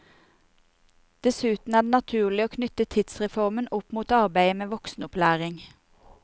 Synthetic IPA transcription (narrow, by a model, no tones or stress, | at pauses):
d̪̥ɛsʉːt̪n̩æd̪eːnɑt̪ʰʉːʁlɪoːkʰnʏt̪ət̪ʰɪd̪sʁɛfɔʁmənʊpmuːt̪ɑʁbæɪəmeːʋɔksn̩ʊplæːʁɪŋ